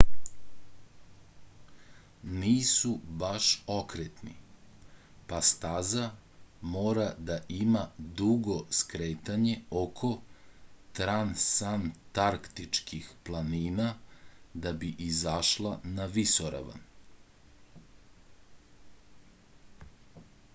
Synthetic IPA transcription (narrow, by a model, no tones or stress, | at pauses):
niːsubaʃo̞kɾet̪nḭ | past̪aza | moːɾad̪aʔimad̪uɡo̞skɾeːt̪aɲe̞okʰo̞ | t̪ɾansant̪aɾkt̪it͡ʂkʰixplˠaniːnad̪abiʔizaʃlˠanaʋisoɾa̰ʋa̰n